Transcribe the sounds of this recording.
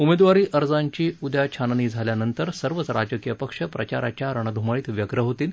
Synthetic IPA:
umed̪ʋaɾiːʔəɾd͡zaɲt͡ɕiːud̪ʱjat͡ɕʰanniːd͡zʱaljanənt̪əɾsəɾʋət͡sɾad͡ʑəkijəpəkʂəpɾət͡ɕaɾa̰t͡ɕaɾəɳ̃əd̪ʱumaɭiːt̪ʋjəɡɾəɦot̪iːl

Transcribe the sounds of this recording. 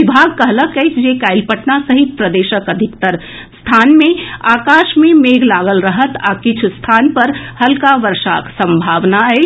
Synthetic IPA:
ibʱaɡkəɦləkːəjt͡ʃʰd͡ʒekaːɪlpəʈnasəɦit̪̚pɾəd̪eːʃəkəd̪ʱikt̪əɾ | st̪ʰaːnmẽaːkaːʃmẽmeːɡlaːɡəlɾəɦət̪a̰kɪt͡ʃʰst̪ʰaːnpəɾhəlkaʋəɾʃa̰ksə̃mbʱaːʋnaɛ

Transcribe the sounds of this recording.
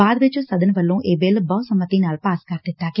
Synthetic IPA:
aːd̪ʋɪt͡ʃːsɐd̪ʱənʋɐlːõːʔeːbeːlbɐʋsɐmət̪ːiːnaːlpaːskaɾd̪ɪt̪ːaːk

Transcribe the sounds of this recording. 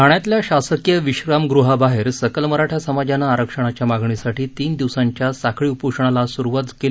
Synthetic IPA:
aɳjat̪ljaɕasəkjəʋiɕɾamɡɾuɦabaɦeɾsəkəlməɾaʈʰasəmad͡ʑanaːɾəkʂəɽ̃at͡ɕjamaɡɳisaʈʰiːt̪iːnd̪iʋsaɲt͡ɕjasakʰɭiːupuʂɳ̃alasuɾʋat̪ke

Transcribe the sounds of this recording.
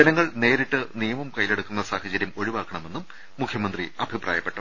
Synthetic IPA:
d͡ʑɐnɐŋːɐɭne̞ːɾiʈːɨnijɐmɐmkɐjleɽukːunːɐsaːhɐd͡ʑɐɾjɐmo̞ɻiʋaːkːɐɳɐme̞nːumː | ukʰjɐmɐnd̪riɐbʱiprʔa̰ːjɐpːe̞ʈːɐ

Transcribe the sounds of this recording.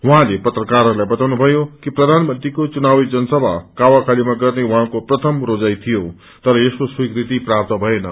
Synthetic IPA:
wuɦãlepʌt̪rʌkaɾɦʌɾulajbʌt̪awnubʱʌjokiprʌd̪ʱanmʌnt̪rikot͡sunawid͡zʌnʌsʌbʱakawakʰalimaɡʌrnewuɦãkoprʌt̪ʰʌmrod͡zajt̪ʰijo | t̪ʌɾʌeskoswikrit̪iprap̚t̪ʌbʱʌenʌ̰

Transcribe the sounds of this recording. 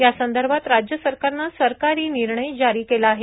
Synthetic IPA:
jasənd̪əɾbʱat̪ɾad͡ʑjəsəɾkaɾnasəɾkaɾiːniɾɳəjd͡ʑaɾiːkelaːɦe

